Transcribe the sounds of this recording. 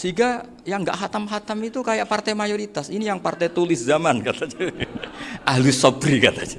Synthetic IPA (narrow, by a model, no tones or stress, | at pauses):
siɡa | jaŋɡa̰ʔɦat̪amɦat̪amit̪ukajaʔpart̪ajmajoɾit̪asinijaŋpart̪ajt̪ulɪszamankat̪ad͡ʒu | ʔaɦlusɔbɾikat̪ad͡ʒḁ